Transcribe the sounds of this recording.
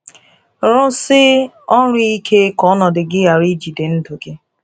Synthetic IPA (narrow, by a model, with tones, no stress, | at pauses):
ɾʊ˦sɪ˦ | ɔ˦ɾʊ˦i˦kʰe˦kɔ˨˦nɔ˨dɪ˨ɡɪ˦a˨ɾi˦d͡ʒi˨dɪ˨n̩˦do˨ɡe˦